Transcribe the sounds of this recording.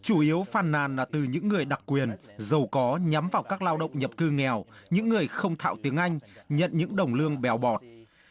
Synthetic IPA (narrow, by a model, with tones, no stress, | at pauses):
t͡ɕu˧˩ʔi˨˦əwfaː˨˩nːaː˨˩nlaː˨˩t̪ɨ˨˩ɲɨ̰˧˥ŋːɨ˨˩əjɗa˨˩k̚kːwi˨˩ənzə˨˩wkɔ˨˦ɲa˨˦mvaː˨˩wkaː˦˥k̚laː˧wɗə̰˧˨wŋ͡mɲə˨˩p̚kɨ˧ŋɛ˨˩wɲɨ̰˧˥ŋːɨ˨˩əjxə˧wŋ͡mt̪ʰa̰ː˧˨wt̪i˨˦əŋʔa˧jŋ̟ɲə̰˧˨nɲɨ̰˧˥ŋɗə˨˩wŋ͡mlɨ˧əŋɓɛ˨˩wɓɔ˨˩t̚